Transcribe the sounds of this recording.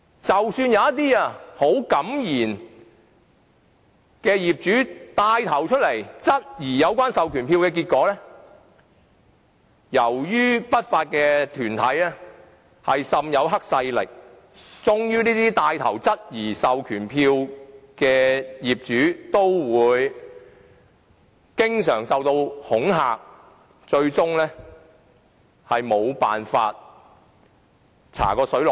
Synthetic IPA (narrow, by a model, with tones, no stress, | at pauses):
t͡sɐ˨wsyː˧njɐ˨˧wjɐ˥t̪̚iː˥aː˧ho˨˥wkɐ˨˥mjiː˨˩n | kɛː˧jiː˨˩p̚t͡ʃyː˨˥t̪aː˧jt̪ʰɐ˨˩wt͡ʃʰɵ˥t̚lɐ˨˩jt͡sɐ˥t̚jiː˨˩jɐ˨˧wkʷaː˥nsɐ˨wkʰyː˨˩npʰiː˧wkɛː˧k̬iː˧t̚kɔː˨˧˥lɛː˥ | jɐ˨˩wjyː˥pɐ˥t̚faː˧t̚kɛ˧t̪ʰyː˨˩nt̪ʰɐ˨˥jɛː˥ | hɐ˨jsɐ˨mjɐ˨˧wɦɐ˥k̚sɐ˧jlɪ̰˨k̚ | t͡sʊ˥ŋjyː˥niː˥t̪iː˥t̪aː˧jt̪ʰɐ˨˩wt͡sɐ˥t̚jiː˨˩sɐ˨wkʰyː˨˩npʰiː˧wkɛː˧jiː˨p̚t͡ʃyː˨˥t̪o˥wwuː˨˧j | kɪ˥ŋsœː˨˩ŋsɐ˨wt̪o˧whʊ˨˥ŋɦaː˨k̚ | t͡ʃɵ˧ɥt͡sʊ˥ŋlɛː˥ | hɐ˨jmo˨˧wpaː˨nfaː˧t̚ | t͡sʰa̰ː˨˩kɔː˧sɵ˨˥lɔ˨